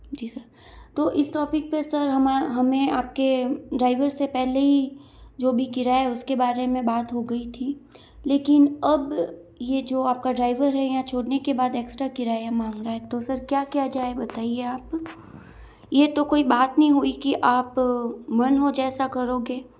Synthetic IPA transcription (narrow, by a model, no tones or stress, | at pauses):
d͡ʒiːsəɾ | t̪oːʔɪsʈɔːpɪk̚pesɐɾɦɐmaɦɐmẽaːp̚keɖɾaːɪʋəɾsepɛɦleɦi | d͡ʒoːbʱikɪɾaɦɛʊskebaːɾemẽbaːt̪ɦoɡɐit̪ʰiː | leːkɪnɐb | jed͡ʒoːaːp̚kaɖɾaːɪʋəɾɦɛjat͡ʃʰoːɽnekebaːd̪eːksʈɾakɪɾaːeamãːŋɡɾaɦɛt̪osɐɾkjaːkijad͡ʒaːebɐt̪aːieaːp | jet̪okoːibaːt̪nɐɦĩɦuikiʔaːpmɐnɦod͡ʒɛːsakɐɾoːɡeː